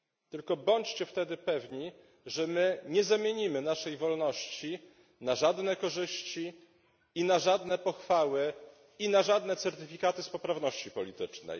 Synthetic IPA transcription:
t̪ɘlkɔbɔɲt͡ɕt͡ɕɛft̪ɛd̪ɘpɛvɲi | ʐɛmɘɲɛzamʲjeɲimɘnaʂɛjvɔlnɔɕt͡ɕi | naʐad̪nɛkɔʐɘɕt͡ɕi | inaʐad̪nɛpɔxfawɘ | inaʐad̪nɛt̪sɛɾt̪ɘfʲikat̪ɘspɔpɾavnɔɕt͡ɕipɔlʲit̪ɘt͡ʂnɛ̰j

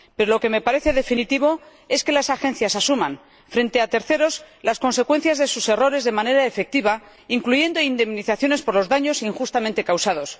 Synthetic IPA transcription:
pe̞ɾo̞lo̞ke̞me̞paɾe̞θe̞ðe̞finit̪iβ̞o̞ | e̞ske̞lasaxe̞nθjasasumãn | fɾe̞nt̪e̞at̪e̞ɾθe̞ɾo̞s | lasko̞nse̞kwe̞n̟θjazðe̞suse̞ro̞ɾe̞zðe̞mane̞ɾaefe̞k̚t̪iβa | iŋkluʝe̞nd̪o̞ind̪e̞mniθaθjo̞ne̞spo̞ɾlo̞zðaɲo̞siŋxust̪amẽnt̪e̞kawsað̞o̞s

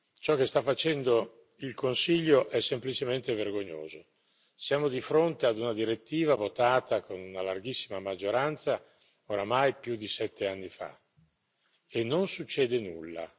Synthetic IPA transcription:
t͡ʃɔk̟ːest̪afːat͡ʃɛnd̪o | ilkonsiʎːoʔɛsːemplit͡ʃement̪everɡoɲːo̰ːzo | sjaːmod̪ifɾont̪ead̪unad̪iɾet̪ːiːvavot̪aːt̪akonunalarɡisːimamad͡ʒːoɾant̪sa | oɾamajpjud̪ːisɛt̪ːeanːifa̰ | enːonsut͡ʃːɛːd̪enulːa̰

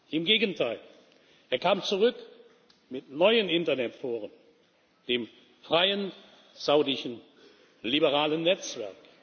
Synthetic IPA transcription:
ʔɪmɡeːɡəntʰaɪl | ʔeːɐkaːmt͡suʁʏk | mɪtnɔʏənɪntɐnɛtfoːʁən | d̥eːm | fʁ̥aɪən | z̥aʊdɪʃən̩ | libəʁaːlənːɛt͡sv̥ɛɐk

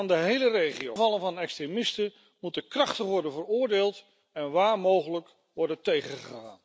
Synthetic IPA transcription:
andəɦejlərejχio̰vɑlˠənvɑnɛkstremɪstə | mutəkrɑχtəχʋɔɹdənvərʊːɹdeːlˠt | ɛnʋaːɹmowχələk | ʋɔɹdəntejχəχəχa̰ːn

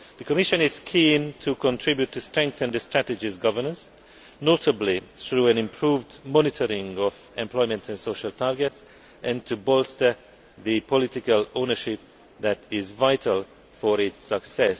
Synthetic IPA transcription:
ðəkʰəmɪʃə̃nɪz̥kʰĩntʰukə̃ntʰɹ̥ɪbjutʰːɨstɹ̥ɛ̃ŋk̚θə̃nd̪ɨstɹ̥ætɨd͡ʒɪzɡʌvə˞nə̃ns | notʰəbliθɹuæ̃nɪ̃mpʰɹuːvdmɔnɪtʰəɾɪ̃ŋɔv | ɛ̃mpʰl̥ɔɪmə̃ntʰɨ̃nsoʊʃəltʰaɹɡɛts | ʔɨ̃ntʰubɔlˠstə˞ | ðɨpʰɔlɪtɪkəlõnəʃɪp̚ | ðætɪzvaɪtʰəlˠ | fɔɾɪtsəksɛs

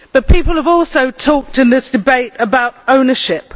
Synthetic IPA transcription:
b̥ʌt̚pʰiˑpəlˠəvɔˑlˠsoʊtʰɔˑk̚tɨ̃nðɪsd̥ɪbeɪtəbaʊtə̃ʊ̃nəʃɪp

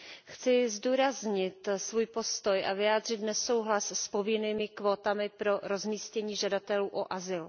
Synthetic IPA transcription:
xt͡sɪzduːɾazɲɪt̪svuːjpo̞st̪o̞jʔavɪjaːd̪r̝ɪt̪nɛso̞wɦlasspo̞vɪniːmɪkvo̞ːt̪amɪpɾo̞ɾo̞zmiːscɛɲiːʒadat̪ɛluːʔoʔazɪl

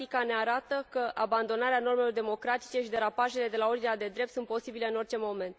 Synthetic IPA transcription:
ikane̞aɾat̪əkəʔaband̪o̞naɾeano̞rme̞lo̞rd̪e̞mo̞kɾat̪i̥t͡ʃe̞ʃid̪e̞ɾapaʒe̞le̞d̪e̞lao̞rd̪inʲad̪e̞d̪ɾe̞p̚t̪sunt̪po̞sibile̞ɨno̞rt͡ʃe̞mo̞me̞nt̪

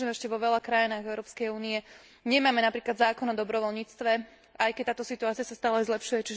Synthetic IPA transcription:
ɛmɛʃcɛʋɔʋɛlakɾajinaːɣɛʊɾɔːpskɛjuːniɛ | ɲɛmaːmɛnapɾiːklad̪zaːkɔnɔd̪ɔbɾɔʋɔlɲiːt͡st̪ʋɛ | ajkɛc̚t̪aːt̪ɔsit̪uaːt͡siasast̪aːlɛjzlɛpʃujɛt͡ʃiʒ

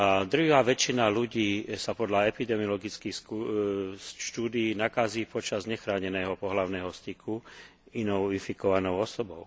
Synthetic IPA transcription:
ad̪ɾuɦaːʋɛt͡ʃinaluɟiːsapɔd̪laɛpid̪ɛmiɔlɔɡit͡skixsu | ʃt̪uːd̪iːnakaziːpɔt͡ʃazɲɛxɾaːɲɛnɛːɦɔpɔɦlaʊnɛːɦɔst̪ikʰu | inɔʊinfikɔʋanɔʊɔsɔbɔʊ

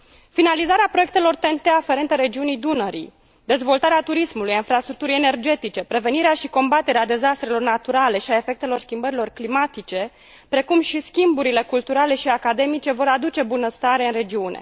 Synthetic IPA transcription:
finalizaɾeapɾo̞jek̚t̪e̞lo̞rt̪ent̪eafe̞ɾe̞nt̪əɾe̞d͡ʒiunijd̪unəɾḭ | d̪e̞zvo̞lt̪aɾeat̪uɾismulujainfɾast̪ɾuk̚t̪uɾijene̞rd͡ʒe̞t̪it͡ʃe̞pɾe̞ve̞niɾeaʃiko̞mbat̪e̞ɾead̪e̞zast̪ɾe̞lo̞rnat̪uɾale̞ʃiaefe̞k̚t̪e̞lo̞rskʲimbəɾilo̞rklimat̪it͡ʃe̞ | pɾe̞kumʃiskʲimbuɾile̞kult̪uɾale̞ʃiakad̪e̞mit͡ʃe̞vo̞ɾad̪ut͡ʃe̞bunəst̪aɾeɨnre̞d͡ʒiunḛ

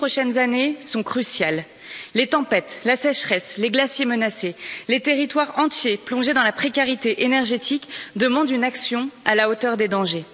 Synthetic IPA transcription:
pχɔʃɛnzanesɔ̃kχysjalː | et̪ɑ̃pɛt̪lasɛʃχɛsleɡlasjemənaselet̪eʁit̪waʁɑ̃t̪jeplɔ̃ʒed̪ɑ̃lapχekaʁit̪eʔenɛʁʒet̪ʰikd̪əmɑ̃d̪ynaksjɔ̃alaot̪œʁd̪ed̪ɑ̃ʒe

